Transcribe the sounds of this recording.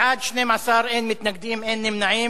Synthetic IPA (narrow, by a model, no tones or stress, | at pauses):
ʕaːd̪ʃneːmasˤɑːɾˤʔeːnmɪt̪naɡ̚d̪iːmʔeːnːɪmnaʕiː